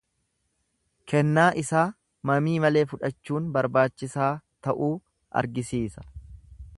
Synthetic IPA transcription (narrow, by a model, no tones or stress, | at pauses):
kʰɛnːaːʔɪsaː | mɐmiːmɐle̞ːfʊᶑɐt͡ʃːuːnbɐɾbaːt͡ʃːɪsaːt̪ɐʔuː | ʔɐ̰ɾɡɪsiːsɐ̥